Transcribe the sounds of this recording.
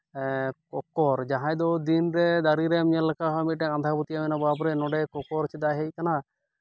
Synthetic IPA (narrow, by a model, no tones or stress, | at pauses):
kɔkɔɾd͡ʒaɦãjd̪ɔd̪inɾɛd̪aɾiɾɛmɲalɛkaɦmit̪̚ʈɛand̪ʱabut̪ijamɛnabɔab̬ɔɾɛnɔɖɛkɔkɔɾt͡ʃʰɛd̪aɦejkana